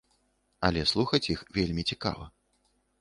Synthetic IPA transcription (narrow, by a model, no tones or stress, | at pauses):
ɐlʲɛslˠuxɐt͡sʲixvʲelʲmʲit͡sʲika̰vɐ̰